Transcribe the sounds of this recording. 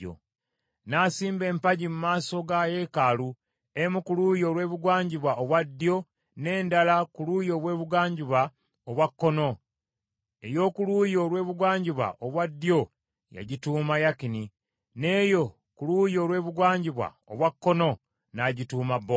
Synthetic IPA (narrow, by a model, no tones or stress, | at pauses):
o̰ | naːsiːmbe̞ːmpaɟimumaːso̞ɡaje̞kalu | emukulujo̞lwe̞ːβuɡwaːɲɟiβwaʔoβwadːjo̞ | ne̞ːndalakulujo̞ːβwe̞ːβuɡaːɲɟiβa | oβwakːo̞no̞ | e̞jo̞ːkulujo̞lwe̞ːβuɡwaːɲɟiβwa̰ʔoβwadːjo̞ | ja̰ɟituːmajakini | ne̞ːjo̞ | kuluːjo̞ɾwe̞ːβuɡwaːɲɟiβwa̰ | o̰βwakːo̞no̞ | naɟituːmabːo